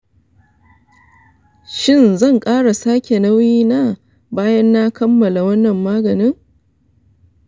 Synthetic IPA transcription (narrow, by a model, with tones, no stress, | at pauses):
ʃɪ˦˨nzɐ˦˨ŋkʼaː˦ɽa˨saː˦kʲe˨nɐ˦wjiː˦na˦ | baː˦jɐ˦nːa˦kɐ˦mːɐ˨la˨wɐ˦nːɐ˨mːaː˦ɡɐ˨nɪ˦ŋ